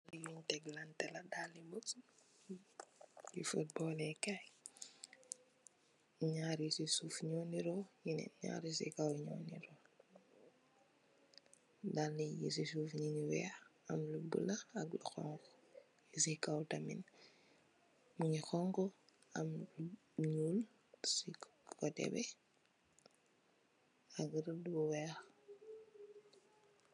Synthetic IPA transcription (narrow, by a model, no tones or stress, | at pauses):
lijuɲtɛɡlantɛladalibɔt͡s | jifut̚bɔlɛka | ɲaɾisisuːfɲɔːniɾɔjinɛ̰ɲa̰ɾisḭkawɲɔ̰ːniɾɔ | dalːijis̬isuːfɲiɲiwɛ̰xɐmlubə̰lɐɐɡlṵxɔ̰ŋkɔ̥ | jisikawtamḭn | muɲixɔŋkɔ | ɐml | ɲuːl | sikɔtɛ̰bɛ | aɡɾdbuwɛːx